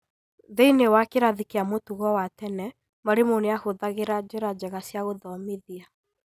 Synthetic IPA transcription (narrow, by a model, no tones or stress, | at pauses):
ðeinewakeɾaðikeamotuɣɔwatɛnɛ | maɾemoneahoðaɣeɾad͡ʑeɾad͡ʑɛɣasjaɣoðɔmeðia